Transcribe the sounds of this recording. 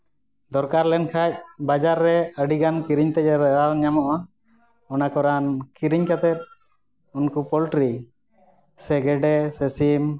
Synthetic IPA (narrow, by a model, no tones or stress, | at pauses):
d̪ɔɾkaɾlɛnkʰac̚bad͡ʒaɾːɛəɖiɡankiɾiɲt̪ɛcɛɾɛalɲamɔʔa | ɔnakɔɾankiɾiɲkat̪ɛt̪̚ | unkupɔlʈɾi | sɛɡɛɖɛsɛsim